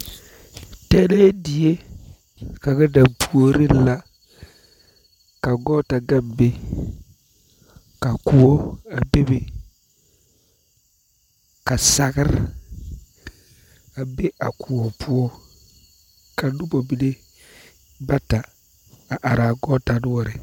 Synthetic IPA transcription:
te˦na˦je˦di˨je˦ | ka˨ɡa˦da˨pu˨o˦ɾi˦˨la˦ | ka˨ɡɔ˦ta˨ɡa˦mbe˦ | ka˨ku˨o˦a˨be˦be˨ | ka˨sa˨ɡɪ˦ɾ | a˨be˦ʔa˨kʰu˨o˨pu˦o˦ | ka˨nu˦bo˨bi˨ne˦ | ba˦ta˨ | a˨ʔa˨ɾa˨ɡɔ˦ta˨nʊ˦wɔ˨ɾɪ˨

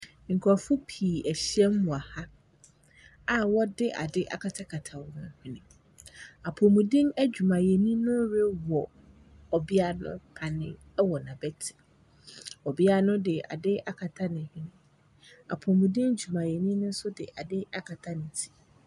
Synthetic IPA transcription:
ŋ̩˨kʰa˨fʊ˦pʰiː˨æ˨ɕi˦ɛ˦m˦mʊ̃˨a˨ha˦ | a˨wɔ˦dɪ˦ʔa̰˨dɪ˦ʔa̰˨kʰa˨tʰa˦kʰa˨tʰa˨wnʊ̰̃˨hᶣĩ˦nɪ̃˨ | a˨pʰo˨mũ˨dĩ˦næ˦d͡ʑᶣu˨mã˨jɛ˨nĩ˦nʊ̃˦ɾe˦wɔ˨ | ɔ˨bi˦a˦nʊ̰̃˦pʰa˨nɪ̰̃˦ | wɔ˨nã˨bɛ˦tʰi̥˨ | ɔ˨bi˦a˦nʊ̃˦dɪ˨a̰˨dɪ˦a˦kʰa˨tʰa˦nɪ̃˨hɪ̃˦nɪ̃˦ | a̰˨pʰo˨mũ˨dĩ˦n˦d͡ʑu˨mã˨jɛ˨nĩ˦nʊ̃˦n̩˦sʊ˦dɪ̰˨ʔa˨dɪ˦ʔa˦˨kʰa˨tʰa˦nɪ̃˨tʰi̥˨

